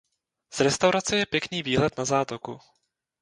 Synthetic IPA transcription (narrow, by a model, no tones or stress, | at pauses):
z̥ɾɛst̪awɾat͡sɛjɛpjɛkniːviːɦlɛt̪nazaːt̪okṵ